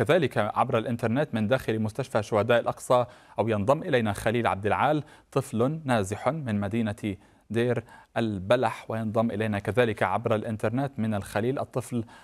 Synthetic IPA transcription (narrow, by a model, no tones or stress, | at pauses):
kaðaːlɪkaʕa̰bɾalʔɪnt̪ɑɾˤneːt̪mɪnd̪aːxɪlimʊst̪aʃfaʃʊhad̪aːʔɪlʔɑqsˤɑʔawjɪnðˤɑmːʔɪlajnaxaliːlʕa̰b̚d̪ɪlʕaːlt̪ˤɨflːaːzɪħʊmɪnmad̪iːna | d̪eːɾʔalbalaħwɪjɨnðˤɑmːʔɪlajnakaðaːlɪkaʕabɾalʔɪnt̪ɑɾˤneːt̪mɪnalxaliːlʔɨt̪ˤːɨfl